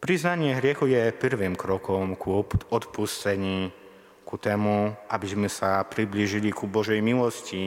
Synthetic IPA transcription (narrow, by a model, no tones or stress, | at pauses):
pɾiznaɲɪɛɦɾɪɛxujɛpəɾʋimkɾɔkɔmkuɔt̪pust͡sɛɲi | kut̪ɛːmuʔabizmɛsapɾibliʒilikubɔʒɛjmilɔsci